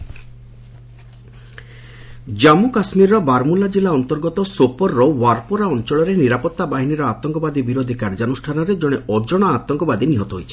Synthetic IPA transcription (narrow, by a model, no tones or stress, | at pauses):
d͡ʒamukasmiɾɾɔbaɾmulad͡ʒilaɔnt̪ɔɾɡɔt̪ɔsopɔɾːɔwaɾpoɾaɔnt͡ʃɔɭɔɾeniɾapɔt̪ːabaɦiniɾɔat̪ɔŋkɔbad̪ibiɾod̪ʱikaɾd͡ʒanusʈʰanɔɾed͡ʒɔɽ̃eɔd͡ʒɔɽ̃ɔat̪ɔŋkɔbad̪iniɦɔt̪ɔɦojt͡ʃʰi̥